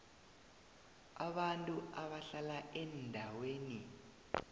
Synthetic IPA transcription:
aɓantʼuaβaɬalaʔɛndʱaweːni

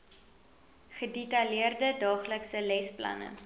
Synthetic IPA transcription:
χədetɐliərdədɑːχləksəlɛsplɐ̰nə̰

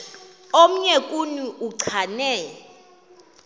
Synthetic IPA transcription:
om̩ɲɛkʼuniuǀʰanɛː

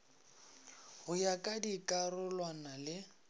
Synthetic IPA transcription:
hʊjakʼadikʼarʊlwanalɪ

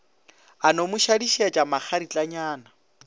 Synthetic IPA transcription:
anomʊʃadiʃiat͡ʃʼamak͡xʰaɾit͡ɬʼaɲaːna

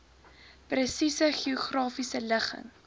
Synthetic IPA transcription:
prəsisəχioχrɑːfisələχə̰ŋ

